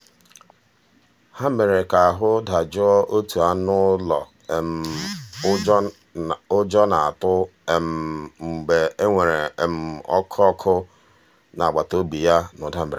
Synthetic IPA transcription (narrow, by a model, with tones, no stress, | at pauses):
ha˦me˨ɾe˨ka˨a˨ɦʊ˦dʱa˨d͡ʒʊ˦ɔ˦ʔo˦tu˨a˦nʊ˦lɔ˨ | m˨˦ | ʊ˦d͡ʒɔ˦na˨a˨tʊ˦e˨m̩˨ŋ͡m̩˨ɡ͡be˨e˦ŋʷe˨ɾe˨m̩˨ɔ˦kʰɔ˦kʰʊ˦ | na˨a˨ɡ͡ba˨to˦bi˨ja˦nʊ˨da˦m̩˦e˨ɾe˨